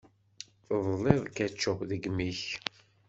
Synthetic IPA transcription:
ðˤlːɪðˤkæt͡ʃːəðəɡmiç

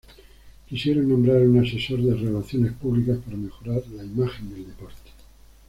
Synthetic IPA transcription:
kisjeɾonːõmbɾaɾunase̞so̞ɾðerelaθjone̞spuβlikaspaɾame̞xo̞ɾaɾlaimaxe̞nd̪e̞ld̪e̞po̞ɾt̪e̥

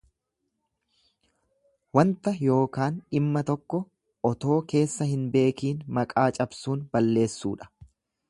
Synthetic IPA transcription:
wɐnt̪ɐjo̞ːkaːnɪmːɐt̪ɔkːɔ | ɔt̪o̞ːke̞ːsːɐhɪnbe̞ːkiːnmɐkʼaːt͡ʃʼɐbsuːnbɐlːe̞ːsːuːᶑɐ̥

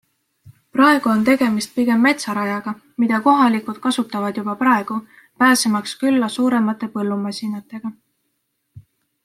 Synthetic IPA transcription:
prɑe̞ɡ̥uo̞nt̪e̞ɡ̥e̞mist̪̚piɡ̥e̞mːe̞t̪sɑɾɑjɑɡ̥ɑ | mid̪ɑko̞ɦɑlikˑud̪̥kɑsut̪ːˑɑvɑd̪̥jub̥ɑpɾɑe̞ɡ̥u | pæːsemɑkskylːɑsuːɾe̞mɑt̪ːˑe̞pɤ̞lːumɑsʲinɑt̪ːˑe̞ɡ̥ɑ

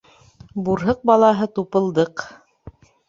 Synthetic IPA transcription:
buɾɦɤq̚bɑlˠɑɦɤt̪upɤ̆lˠd̪ɤq

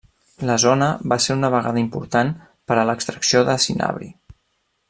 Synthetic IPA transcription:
ləzonəβaseɾunəβ̞əɣa̰ðəimpuɾt̪an | pəɾələkst̪ɾəksioðəsina̰βɾḭ

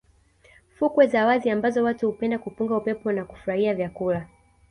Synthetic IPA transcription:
fukwɛzawaziambazɔwatuhupɛndakupuŋɡaupɛpɔnaku̥fuɾahiavjakula

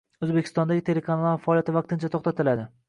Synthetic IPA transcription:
ɵzbe̞kʲʰɪ̥st̪ɒnd̪aɡʲɪt̪ʰe̞lekʰanalˠaɾfaɒːlijat̪ɪvɑqt̪ɪnt͡ʃʰat̪ʰoχt̪at̪ʰɪlad̪ɪ

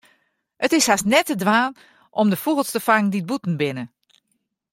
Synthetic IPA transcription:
ətɪshasnɛtədʋaːn | ʔɔmdəfuɣəl̩ˠstəfaŋndit̚butn̩bɪnə

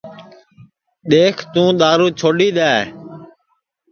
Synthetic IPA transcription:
ɗ̪eːkʰt̪ũːɗ̪aːɾuːt͡ʃʰoːɗiːɗ̪aːe

